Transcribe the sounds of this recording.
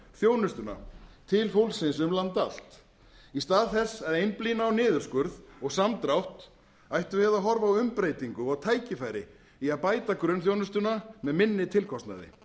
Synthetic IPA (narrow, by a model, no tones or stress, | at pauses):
θjoːwnʏst̪ʏna̰t̪ʰɪlfowlsɪnsʏmlant̪al̥t̪ | ist̪aːðθɛsːɛɾejnpliːnaɔwnɪːðʏɾ̥skʏɾðɔɣsamt̪ɾawht̪ | ajht̪ʏvɪðaɦɔɾvawʏmpɾeːjt̪iŋkʏɔɣt̪ʰaːjcɪfaːjɾɪ | iaðpaːjt̪akɾʏnθ̬jownʏst̪ʏnamɛðmɪnːɪt̪ʰɪlkʰɔst̪na̰ðɪ̰